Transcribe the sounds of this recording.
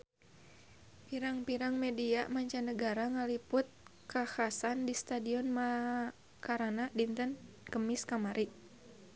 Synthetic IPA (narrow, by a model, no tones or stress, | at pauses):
piɾaŋpiɾaŋmɛdiamaɲt͡ʃanəɡaɾaŋalipʊt̪̚kahasandist̪adiɔnma | kaɾanadint̪ən | kəmiskamaɾʔiʔ